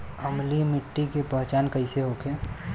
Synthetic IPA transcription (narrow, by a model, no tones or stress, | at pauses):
əmlimɪʈːikepəɦt͡ʃaːnkəɪseɦokʰeː